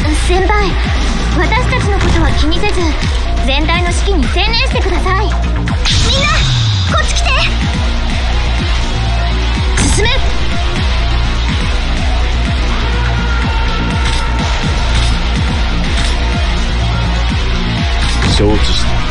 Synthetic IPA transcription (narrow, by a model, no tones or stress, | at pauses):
sẽ̞mpai | βat̪aɕi̥t̪at͡ɕino̞ko̞t̪oβakʲiɲ̟ise̞zɨ | d͡zẽ̞nt̪aino̞ɕi̥kʲiɲ̟isẽ̞nẽɕi̥t̪e̞kɯ̟d̪asai | mʲĩnːa | kot͡sɨ̥kʲi̥t̪e | sɨsɨme | ɕoːt͡siɕ